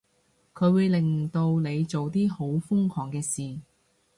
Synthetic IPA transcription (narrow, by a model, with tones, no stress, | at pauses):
kʰɵ˨˧ɥwuː˨˧jlɪ˨ŋt̪o˧wle˨˧jt͡so˨wt̪iː˥ho˨˥wfʊ˥ŋkʰɔː˨˩ŋkɛː˧siː˨